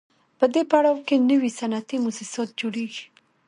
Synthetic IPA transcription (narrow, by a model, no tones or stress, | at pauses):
pəd̪epaɽawkenəwisanat̪imusisɑt̪̚d͡ʒoɽeɡi̥